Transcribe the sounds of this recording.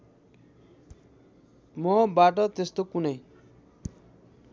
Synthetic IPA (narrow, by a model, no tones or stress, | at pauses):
mɔbaʈ̬ɔt̪est̪okune